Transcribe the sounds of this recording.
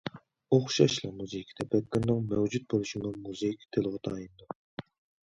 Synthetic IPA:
oχʃɑʃlˠɑmuzɨikʲʰt̪ʰɛpʰɛt̪̚k̪ɪɾnɨŋmɛwd͡ʒut̪̚bolˠuʃimumuzɨikʲt̪ʰelˠʁɑt̪ʰɑːjind̪u

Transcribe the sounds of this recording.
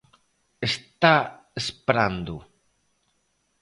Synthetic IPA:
est̪a | espɾand̪ʊ

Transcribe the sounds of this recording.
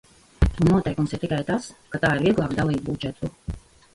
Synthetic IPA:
unnːuɔt̪ɛjkumsiɾt̪ikajt̪askat̪aːiɾviɛɡlˠɑːkd̪alˠiːb̪̚bud͡ʒɛt̪ːu

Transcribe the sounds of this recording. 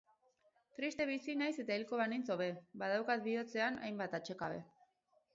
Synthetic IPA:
t̪ɾist̪e̞β̞isinajse̞t̪ailko̞βanint͡soβe̞bað̞awkat̪̚bio̞t͡se̞ana̰jmbat̪at͡ʃe̞kaβe̞̰

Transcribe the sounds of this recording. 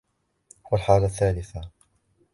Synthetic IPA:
walħaːlaθːaːlɪθa

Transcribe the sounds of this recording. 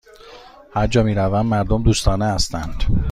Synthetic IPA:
hæɾd͡ʒɒːmiːɾævænd̪mæɾd̪omd̪uːst̪ɒːneæst̪ænd̪̥

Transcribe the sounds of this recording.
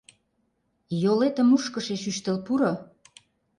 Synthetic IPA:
jolet̪ə̆muʃkəʃeʃyʃt̪ə̆lpuɾo

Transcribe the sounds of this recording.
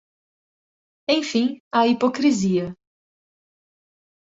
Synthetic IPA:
ẽj̃fĩɐipokɾiziɐ

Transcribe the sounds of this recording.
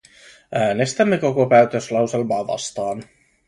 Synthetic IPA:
ʔæːne̞st̪æmːe̞ko̞ko̞pæːɥt̪øslɑwselmɑːʋɑ̰st̪ɑːn

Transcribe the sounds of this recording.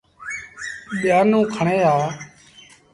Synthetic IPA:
ɓɪjaːnũːkʰəɳeːaː

